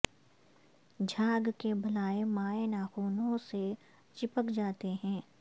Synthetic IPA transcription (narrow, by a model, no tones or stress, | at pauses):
d͡ʒʱaːɡkebʱɐlaːemaːenaːxuːnõse | t͡ʃɪpəkd͡ʒaːt̪eɦɛ̃ː